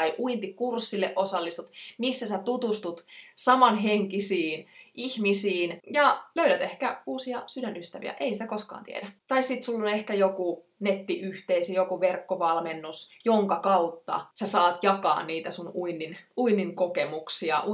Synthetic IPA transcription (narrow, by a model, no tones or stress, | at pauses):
iʔuint̪ikursːilːeʔosɑlːist̪ut̪misːæsæt̪ut̪ust̪ut̪sɑmɑnɦeŋkisiːnʔihmisiːnjɑløyɾæt̪ehkæuːsiɑsydænyst̪æʋḭæ̰ʔeisit̪ækoskɑ̰ːnt̪ḭḛdæt̪ɑissit̪sulːonehkæjoku | net̪ːiʔyht̪eisjokuʋerkːoʋɑlmenːusjoŋkɑkɑut̪ːɑ̰sæsɑːt̪jɑkɑ̰ːnniːt̪æsunuinːinuinːiŋkokemuksiɑ̰ʔu